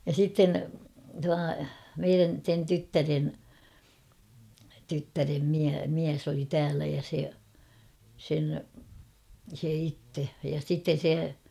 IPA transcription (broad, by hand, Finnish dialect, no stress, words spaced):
jɑ sitːen tuɑ meiræn̞ sen tytːæren tytːærem miæ miæs oli tæːlæ jɑ se sen se itːe jɑ sitːen̞ se